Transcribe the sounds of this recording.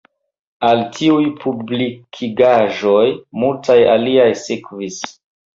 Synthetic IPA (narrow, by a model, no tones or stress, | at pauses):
altʰiujpʰublikʰiɡaʒojmultʰaja̰liajsekvis